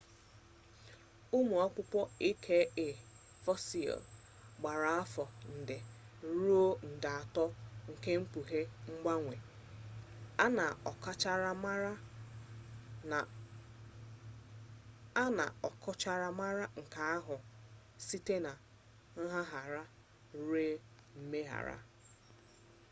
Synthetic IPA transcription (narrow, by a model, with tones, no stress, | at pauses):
u˦mu˨ɔ˦kʷʊ˦pʷɔ˦i˦kʰe˦e˨ | fɔ˦si˨ɔ̰˨l | ɡ͡ba˨ɾa˨a˦fɔ˨n̩˨dɪ˨ | ɾu˦o˦n̩˨dɪ˨a˨tɔ˦ŋ̩˨ke˦ŋ͡m̩˦k͡pu˨ɦe˦ŋ͡m̩˦ɡ͡ba˦ŋʷe˨ | a˦na˨ɔ˨ka˦t͡ʃa˦ɾa˦m˦ɾa˦˨˦ | na̰˨ɔ˨kʰɔ˦t͡ʃa˦ɾa˦ma˦ɾa˦ŋ̩˨ka˨a˦ɦʊ˨ | si˦te˦na˨ | ŋ̩˦ɦa˦ɦa˨ɾa˦ | ɾe˦ | m̩˦me˦ɦa̰˨ɾa̰˦